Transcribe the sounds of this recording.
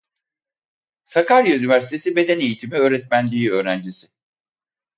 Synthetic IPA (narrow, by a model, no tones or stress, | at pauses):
sakʰaɾjaynivæɾsi̥t̪ʰe̞sibe̞d̪ene̞jit̪ʰimiø̞ːɾɛt̪mænlʲiːø̞ːɾænd͡ʒisɪ